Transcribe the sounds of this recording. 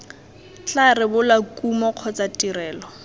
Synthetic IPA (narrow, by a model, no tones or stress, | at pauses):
t͡ɬarɪbʊlakʼumɔq͡χʰɔt͡sʼatʼirɛːlɔ